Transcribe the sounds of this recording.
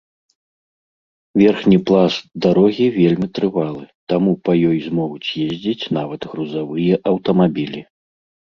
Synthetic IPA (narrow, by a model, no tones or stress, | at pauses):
vʲɛrxnʲiplˠasd̪aɾɔɣʲivʲelʲmʲit̪ɾɨvalˠɨt̪amupɐjɔjzmɔvut͡sʲjezʲd͡zʲit͡sʲnavɐt̪ɣɾuzavɨjɛʔɐwt̪ɐmabʲilʲi